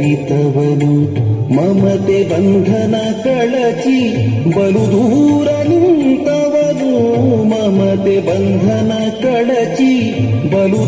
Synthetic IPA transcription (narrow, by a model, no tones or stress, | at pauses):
it̪ɐʋɐnumɐmɐt̪ebɐnd̪ʱɐnɐkɐɭɐt͡ʃibɐlud̪ʱuːɾɐnint̪ɐʋɐnumɐmɐt̪ebɐnd̪ʱɐnɐkɐɭɐt͡ʃi | bɐlu